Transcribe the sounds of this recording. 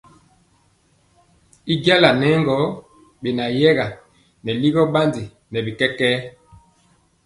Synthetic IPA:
i˦ɡa˦la˨nɛ˦ŋɡɔ˦ | ɓe˨na˨jɛ˦ɣa˨ | nɛ˨li˦ɣɔ˦ba˦ndi˨ | nɛ˨bi˨kɛ˦kɛ˦

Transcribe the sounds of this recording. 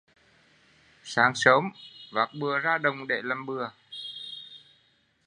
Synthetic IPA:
saː˨˦ŋsəː˨˦mvaː˨˩k̚ɓɨ˨˩əzaː˧ɗə˨˩wŋ͡mɗḛ˧˩la˨˩mɓɨ˨˩ə

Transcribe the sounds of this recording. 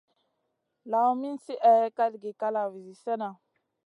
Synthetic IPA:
la˨wmi˦n˦si˦ʔɛ˨jɛ˦ka˦li˨ɡi˨ka˦la˨vi˨zi˨sɛ˦na˨

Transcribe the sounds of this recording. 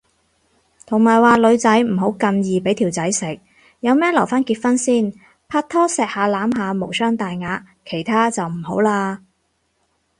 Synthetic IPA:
t̪ʰʊ˨˩ŋmaː˨˩jwaː˨˧lɵ˨˧ɥt͡sɐ˨˥jm̩˨˩ɦo˨˥wkɐ˧njiː˨pe˨˥jt̪ʰiː˨˩wt͡sɐ˨˥jsɪ˨k̚ | jɐ˨˧wmɛː˥lɐ˨˩wfaː˥nkiː˧t̚fɐ˥nsiː˥˩n | pʰaː˧˥t̪ʰːɔː˥sɛː˧k̚haː˨˧laː˨˥mɦaː˨˧mo˨˩wsœː˥ŋt̪aː˨jŋaː˨˧t̚ | kʰe˨˩jt̪ʰaː˥t͡sɐ˨wm̩˨˩ho˨˥wlaː˧

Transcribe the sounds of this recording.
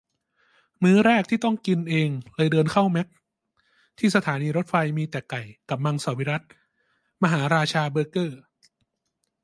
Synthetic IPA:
mɯː˦˥ɾɛː˥˩k̚t̪ʰiː˥˩t̪ɔ˥˩ŋki˧nʔeː˧ŋlɤː˧jdɤː˧nkʰa˥˩wmɛ˦˥k̚ | t̪ʰiː˥˩sa˧t̪ʰaː˩˦niː˧ɾo˦˥t̪̚fa˧jmiː˧t̪ɛː˨˩ka˨˩jka˨˩p̚ma˧ŋsaː˨˩˦wi˦˥ɾa˦˥t̪̚ | ma˧ɦaː˩˦ɾaː˧t͡ɕʰaː˧bɤː˧˥kɤː˥˩

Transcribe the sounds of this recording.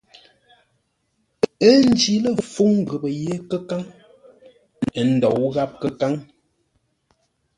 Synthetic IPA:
ə˦n̩˦d͡ʒi˨lə˦fu˦ŋ˨ɣə˨bə˨je˦kə˦ka˦ŋ˨ | n̩˨dɔ˨wɣa˦p̚kə˦ka˦ŋ

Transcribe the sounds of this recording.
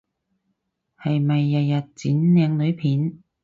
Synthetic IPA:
hɐ˨jmɐ˨jːɐ˨tjɐ˨t̚t͡siː˨˥nnɛː˨˧ŋlɵ˨˧ɥpʰiː˨˥n

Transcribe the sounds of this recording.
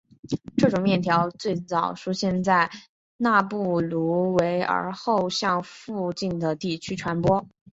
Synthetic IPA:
ʈ͡ʂɤ˥˩ʈ͡ʂʊ˨˩ŋmjɛ˥˩nt̪ʰjɑ˧˥ʊt͡swe˥˩ɪt͡sɑ˨˩ʊʂʰu˥ɕjɛ˥˧nt͡sa˥˧ɪ | na˥˧pu˥˩lu˧˥we˧˥ɪə̰˞˧˥xo˥˧ʊɕjɑ˥˧ŋfu˥˧t͡ɕi˥˩nd̪ə˩t̪i˥˩t͡ɕʰy˥ʈ͡ʂʰwa˧˥npwɔ˥

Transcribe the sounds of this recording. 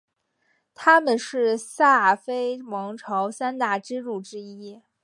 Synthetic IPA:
t̪ʰa˥mə˨nʂɻ̩˥˩sa˥˩fe˥ɪmɑ˧˥ŋʈ͡ʂʰɑ˧˥ʊsa˥nt̪a˥˩ʈ͡ʂɻ̩˥ɻu˥˩ʈ͡ʂɻ̩˥i˥

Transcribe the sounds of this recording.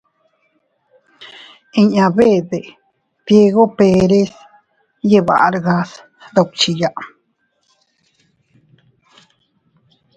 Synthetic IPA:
iɲaβe˦d̪e˨ | d̪je˧ɣo˦pe˧ɾe˦s | jeβa̰ʔɾɡas | ɾo˧k̚t͡ʃijaʔ

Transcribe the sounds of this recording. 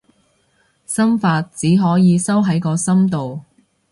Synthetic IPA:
sɐ˥mfaː˧t̚t͡siː˨˥ɦɔː˨˥jiː˨˧sɐ˥wɦɐ˨˥jkɔː˧sɐ˥mt̪o˨w

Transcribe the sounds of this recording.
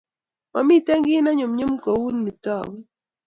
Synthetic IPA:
ma˨mi˦tɛ˦ŋɡɪ˦na˦ɲʊ˨mɲʊ˦mkɔ˨wu˦nːi˨tɔ˦˨ɡ

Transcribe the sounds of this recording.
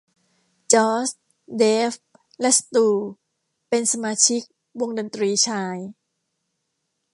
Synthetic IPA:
t͡ɕɔː˦˥s | deː˦˥f | lɛ˦˥ʔsḁ˧t̪uː˧ | pe˧nsa˧maː˧t͡ɕʰi˦˥k̚ | wo˧ŋda˧nt̪ɾiː˧t͡ɕʰaː˧j

